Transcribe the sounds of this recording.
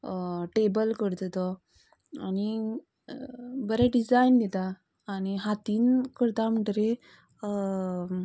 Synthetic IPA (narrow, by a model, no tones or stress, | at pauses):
ʈebəlkəɾt̪t̪ɔ | ani | bəɾeɖid͡zajnd̪et̪aː | ñiɦat̪iːnkəɾt̪am̤əʈɾe